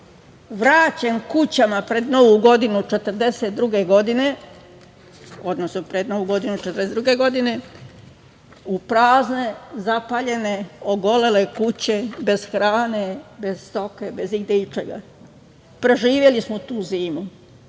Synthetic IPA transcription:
ʋɾaːt͡ɕe̞nkut͡ɕamapɾe̞d̪no̞ʋuɡo̞d̪inut͡ʃe̞t̪ər̩d̪e̞set̪̚d̪ɾuɡe̞ɡo̞d̪ine̞ | o̞d̪nosnopɾe̞d̪no̞ʋuɡo̞d̪inut͡ʃet̪ɾd̪esed̪ɾuɡe̞ɡo̞d̪ine̞ | upɾaːzne̞zapaʎe̞ne̞oɡo̞le̞le̞kut͡ɕe̞be̞z̥xɾaːne̞be̞zst̪o̞kebe̞ziɡd̪eit͡ʃeɡa̰ | pɾe̞ʒiːʋje̞lismot̪uːziːmu

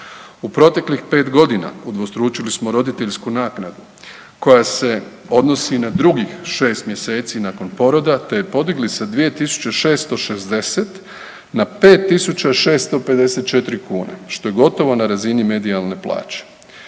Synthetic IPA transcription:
upɾo̞t̪e̞klixpe̞ːt̪ɡo̞d̪ina̰ud̪ʋost̪ɾuːt͡ʃilismo̞ɾo̞d̪it̪e̞ʎskunaːknad̪u | ko̞jase̞ | o̞d̪no̞sinad̪ɾuɡixʃe̞ːst̪mje̞se̞ːt̪sinako̞npo̞ɾo̞d̪at̪ejpo̞d̪iɡlisad̪ʋije̞t̪isu̥t͡ɕeʃe̞ːst̪o̞ʃe̞sd̪e̞set̪ | nape̞ːt̪ːisut͡ɕaʃe̞ːst̪o̞pe̞d̪e̞se̞t̪̚t͡ʃe̞t̪ɾikuːnḛʃt̪o̞je̞ɡo̞t̪o̞ʋo̞naɾazinime̞d̪ialne̞pla̰ːt͡ɕe̥

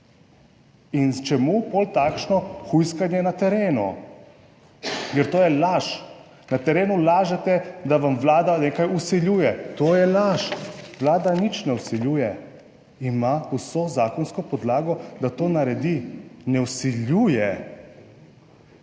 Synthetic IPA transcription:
int͡ʃɛmupolt̪aːkʃnɔxujskanjɛnat̪ɛɾeːnṵ | jɛɾt̪oːjɛlaʃ | nat̪ɛɾeːnulaːʒɛt̪ɛd̪aʋamʋlaːd̪aneːkajusiljuːjɛt̪oːjɛlaʃʋlaːd̪anit͡ʃnɛwsiljujɛ | imausozaːkɔnskɔpɔd̪laːɡɔd̪at̪oːnaɾɛd̪inɛwsiljuːjɛ

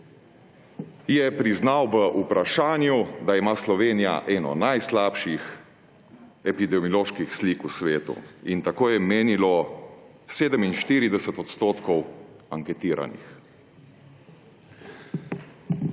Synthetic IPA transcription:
jɛpɾiznawʋəʔupɾaʃaːnjud̪aimaːslɔʋeːnija̰ʔɛːnɔ̰najslaːpʃix | ɛpid̪ɛmjɔloːʃkixsliːkusʋeːt̪ṵint̪akoːjɛmeːnilɔ | seːd̪əminʃt̪iːɾid̪ɛsət̪ɔt̪st̪oːt̪kɔw | aŋkɛt̪iːɾa̰nḭx

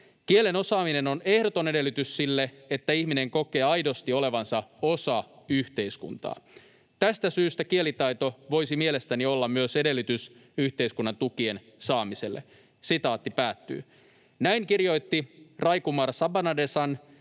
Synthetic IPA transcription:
kiele̞no̞sɑːmine̞no̞ne̞hdot̪o̞nede̞lːyt̪yssilːe | et̪ːæihmine̞ŋko̞ke̞ːɑjdo̞st̪io̞le̞ʋɑnsɑo̞sɑyçt̪e̞iskṵnt̪ɑ̰ː | t̪æst̪æsyːst̪ækie̞lit̪ɑjt̪o̞ʋo̞jsimiele̞st̪ænio̞lːɑmmyøse̞de̞lːyt̪ysyht̪e̞iskunːɑnt̪ukie̞n | sɑːmise̞lːe | sit̪ɑːt̪ːipæːt̪ːy̰ː | næiŋkirjo̞jt̪ːirɑjkumɑrsɑbɑnɑdesɑn

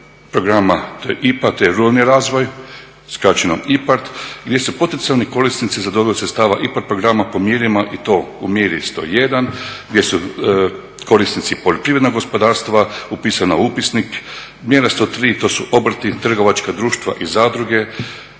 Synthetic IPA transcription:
pɾoɡɾamat̪oʔipat̪ojeɾualniɾaːzʋo̞j | skɾat͡ʃeno̰mipaɾt̪ɡd̪je̞supo̞t̪ent̪ialniko̞ɾisnit̪sizad̪o̞biosɾetst̪aːʋaʔipaɾt̪̚pɾo̞ɡɾamapo̞mjeːɾimaʔit̪o̞ṵmjeɾist̪o̞̰ːjed̪anɡd̪ʲje̞su | ko̞ɾisnit̪sipoʎo̞pɾiʋɾed̪noɡo̞spod̪aːɾst̪ʋaupiːsanaupisnik | mjeɾast̪o̞ːt̪ɾiːt̪o̞ːsuʔo̞bɾ̩t̪it̪r̩ɡo̞ʋat͡ʃkad̪ɾuːʃt̪ʋa̰ʔizaːd̪ɾuɡe̞

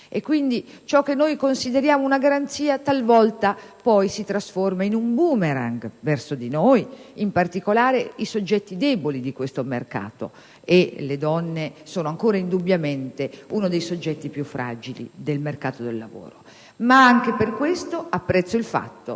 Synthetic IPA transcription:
ekːwind̪i | t͡ʃɔkːenːojkonsid̪eɾjaːmounaɡaɾant̪siːat̪alvɔlt̪apɔjsit̪ɾasformainumbuːmeɾa̰ŋɡvɛrsod̪inojimpart̪ikolaːɾeisod͡ʒːɛt̪ːid̪ɛːbolid̪ikwest̪omerka̰ːt̪o̰ | eled̪ɔnːesoːnoaŋkoːɾaind̪ubːjament̪euːnod̪ejsod͡ʒːɛt̪ːipjufːɾa̰ːd͡ʒilḭd̪elmerkaːt̪od̪elːa̰vo̰ːɾo | maaŋkeperkwest̪oapːɾɛt̪sːoilfa̰t̪ːo̰

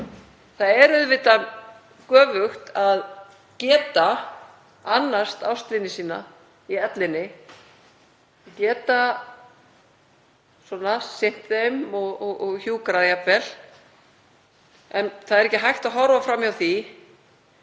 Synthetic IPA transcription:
θaðɛɾʏðvɪːt̪a | kœːvʏxt̪að | cɛːt̪a | anːḁst̪awst̪lɪnːɪsiːna̰ | iɛt̪lɪnːɪ | cɛːt̪a | sɔːnasɪn̥t̪ðejmɔɣɔɣɔɣçuːkɾaðjapvɛl | ɛnθaðɛɾɛhcːɪɦajxt̪aðɦɔɾvafɾamːiawθi

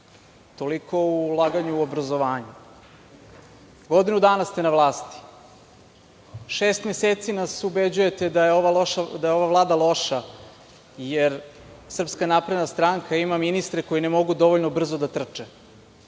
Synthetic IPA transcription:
t̪o̞likʰo̞ulˠaːɡaɲuuobɾazoʋaːɲu | ɡo̞d̪inud̪aːnast̪e̞naʋlˠaːst̪i̥ | ʃeːst̪mjeseːt̪sinasubed͡ʑuje̞t̪ed̪ajeoʋaʃad̪ajeo̞ʋavlˠaːd̪alˠo̞ʃa | jeɾ | sr̩pskanapɾed̪nast̪ɾaŋkʰaimaminist̪ɾeko̞jinemo̞ɡud̪o̞ʋoʎnobr̩zod̪at̪r̩t͡ʃe

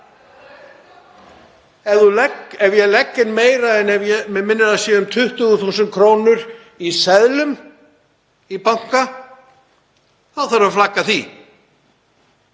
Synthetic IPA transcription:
ɛvðulɛkɛvjɛlɛkːɪnmeːjɾaɛnɛvjɛmɛmɪnːɪɾasjɛʏmt̪ʰʏht̪ʏɣʏθuːsʏnt̪̚kʰɾoːwnʏɾ | isɛðlʏm | ipawŋ̥ka | θawθaɾaflakːaθi

